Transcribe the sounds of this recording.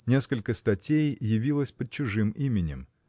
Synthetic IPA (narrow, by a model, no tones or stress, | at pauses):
nʲe̞skəlʲkəst̪ɐtʲejːɪvʲilˠəsʲpəd̪̚t͡ɕʊʐɨmʔimʲɪnʲɪ̰m